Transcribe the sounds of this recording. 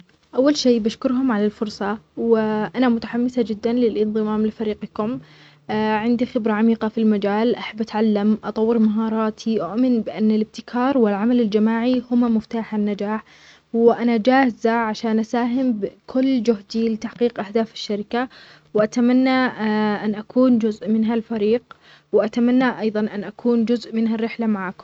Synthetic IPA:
ʔawːalʃeːbaʃkʊɾɦʊmʕalalfʊɾˤsˤɑwɪʔanamʊt̪aħamːɪsad͡ʒɪd̪ːanlɪlʔɪnðˤɨmaːmlɪfaɾiːqkʊm | ʕɪnd̪ixɪbɾaʕamiːqafilmad͡ʒaːlʔaħabːʔat̪ʕalːamʔɑt̪ˤɑwːɪɾmaɦɑːɾˤɑːt̪ʰiʔʊʔmɪnbɪʔanːalɪb̚t̪ɪkʰɑːɾˤwɪlʕamalɪld͡ʒamaːʕihʊmamʊft̪aːħanːad͡ʒaːħ | wɪʔanad͡ʒaːhɪzaʕaʃaːnʔasaːɦɪmbkʰʊlːd͡ʒʊhd̪ilɪt̪aħqiːqʔahd̪aːfɪ̥ʃːaɾɪka | wʔat̪amanːaʔanʔakuːnd͡ʒʊzʔmɪnɦalfaɾiːq | wɪʔat̪amanːaʔɑjðˤɑnʔanʔakʰuːnd͡ʒʊzʔmɪnɦarːɪħlamaʕaːkʊm

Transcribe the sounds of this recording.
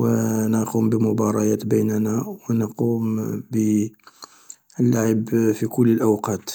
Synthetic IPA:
wənəqumbəmʊbɑɾˤɑjæt̪bəjnnæwnəquːmbə | əlːaʕəbfikʊlːəlʔawqɑt̪

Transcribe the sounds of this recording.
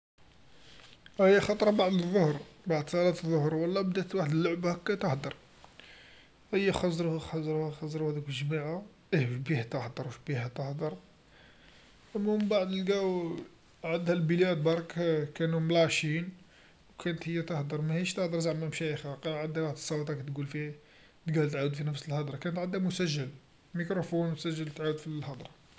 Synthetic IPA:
həjːæxɑt̪ˤɾˤɑbaʕd̪əðˤːohɾbaʕd̪sˤɑlɑt̪əðˤːohɾwəlːɑbd̪æt̪waħəd̪əlːʊʕbhækːæt̪əħd̪əɾˤ | ʔəjːæxɑzˤɾuhxɑzˤɾuhxɑzˤɾuhæd̪ækʒmiʕa | ʔhfbihæt̪əħd̪əɾwʃbihæt̪əhd̪əɾˤ | ʔæmːæmbaʕd̪əlɡæw | ʕəd̪hælbilæd̪̚bɑɾˤkkænumlæʃin | wkʰænət̪həjːæt̪ɑhd̪əɾˤmæhiʃt̪ɑhd̪əɾˤzaʕmːæmʃæxæqɑʕəd̪æwaħd̪ə̥sˤːɑwɑt̪ˤɑkæt̪ɡulfi | t̪ɡæwlt̪ʕawəd̪finəfsəlhɑd̪ˤɾˤɑkænət̪ʕəd̪ːæmʊsæʒːəl | mikɾufunwt̪sæʒːəlt̪ʕawəd̪filhɑd̪ɾˤɑ

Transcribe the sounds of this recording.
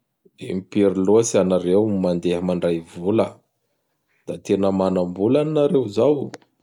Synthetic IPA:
emipiɾilosianaɾewmand̪eɦəmaɳɖ͡ʐajvulə | d̪̥at̪enəmanəmbulaninaɾewzaw

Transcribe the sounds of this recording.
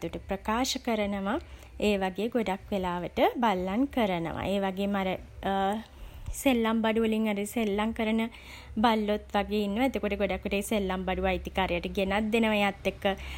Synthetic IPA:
at̪uʈəprəkaːʃəkəɾənəʋa | eːʋaɡeːɡoɖakʋelaːʋəʈəbalːaŋkəɾənə̰ʋa̰ʔeːʋaɡeːmaɾə | selːambaɖuʋəliŋaɾəselːaŋkəɾənə | balːot̪ʋaɡeːinːəʋaet̪okoʈəɡoɖakːʋeʈeːselːambaɖuʋajt̪ikaːɾjaʈəɡenat̪̚d̪enəʋajat̪ːekːə

